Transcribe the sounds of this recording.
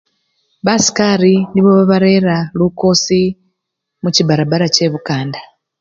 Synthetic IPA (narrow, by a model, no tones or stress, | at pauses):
βasi̥kaɾiniβo̞βaβaɾe̞ɾaluko̞si | muciβaɾaβaɾace̞βukaːnda